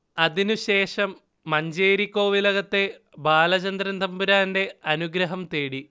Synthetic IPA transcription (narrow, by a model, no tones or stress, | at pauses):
ɐðinuɕe̞ːʂɐmː | ɐɲd͡ʑeːɾikːo̞ːʋilɐɣɐt̪ːe̞ | baːlɐt͡ɕɐnd̪ɾɐnd̪ʱɐmbuɾaːnde̞ɐnuɡɾɐɦɐmt̪eːɽi